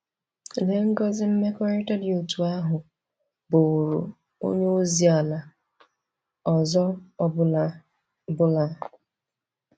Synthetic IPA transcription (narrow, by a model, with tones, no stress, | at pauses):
le˨ŋ̩˦ɡɔ˦zɪ˦m̩˦me˦kɔ˦ɾɪ˦tɔ˦di˨u˨tu˨a˦ɦʊ˨ | bʊ˨ɾu˨ | o̰˦ɲe˦o˦zi˨a˨la˨ | ɔ˨zɔ˦ | bʊ˦la˦